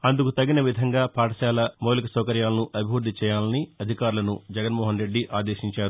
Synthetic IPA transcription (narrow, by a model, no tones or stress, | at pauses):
ɐnd̪ukut̪ɐɡinɐʋid̪ʱɐŋɡaːpaːʈɐt͡ʃaːlɐmoːlikɐsɐːkɐɾjaːlɐnuʔɐbʱiʋɐd̪ʱit͡ʃɛːjaːlɐniɐd̪ʱikaːɾulɐnud͡ʒɛɡɐnmɔːɦɐnɾe̞ɖːiʔaːd̪eːʃiɲt͡ʃaːɾu